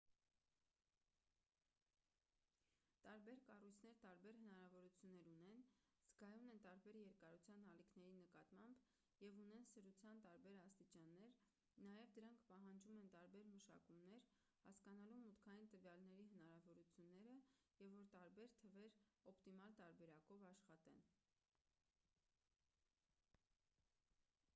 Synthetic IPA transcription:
t̪ɑɾbɛɾkɑrujt͡sʰnɛɾt̪ɑɾbɛɾɦənɑɾɑvɔɾut͡sʰjunːɛɾunɛnz̥ɡɑjunɛnt̪ɑɾbɛɾjɛɾkɑɾut͡sʰjɑnɑlikʰnɛɾinəkɑt̪mɑmb | jɛvunɛnsəɾut͡sʰjɑnt̪ɑɾbɛɾɑst̪it͡ʃɑnːɛɾ | nɑjɛvd̪əɾɑŋkʰpɑɦɑnd͡ʒumɛnt̪ɑɾbɛɾməʃɑ̰kumnɛɾ | hɑ̰skɑnɑlumːut̪kʰɑjint̪əvjɑlnɛɾiɦənɑɾɑvɔɾut͡sʰjunːɛɾəjɛvːɔɾt̪ɑɾbɛɾt̪ʰəvɛɾɔpt̪imɑlt̪ɑɾbɛɾɑkɔvɑʃχɑt̪ɛn

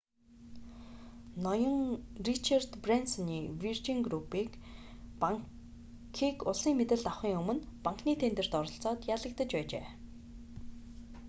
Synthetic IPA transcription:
nɔjɞ̆ŋrit͡ɕʰart̪prensɔniːwirt͡ɕiŋɡrupiːkpaŋ | kʰiːkʊɮiːŋmet̪ɘ̆ɮt̪aχiːŋɵmɵ̆npaŋkniːt̪ʰent̪ɘ̆r̥t̪ɔɾɞ̆ɬt͡sɔːt̪jaːɮə̆k̚t̪ə̆t͡ɕpæːt͡ɕḛː

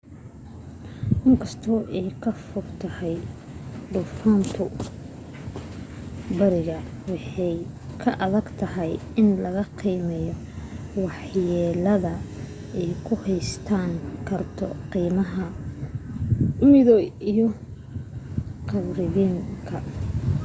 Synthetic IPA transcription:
ʔɪŋkʰɐst̪ʰɔːʔɛjkʰɐfʊrt̪ʰɐhɛj | ɖʊfaːnt̪ʰʊ | bɐɾɪɣɐ | wɑħɛjkʰɐʔɐðɐɡt̪ʰɐɦɛjɪnlɐɣɐqiːmɛjɔ | wɑħjɛːlɐðɐ | ɛjkʰʊhɛjst̪ʰaːŋkʰɐrt̪ʰɔ̰qiːmɐɦɐ | ʊmɪðɔijɔ | qɑβɾɪðiːŋkʰɐ

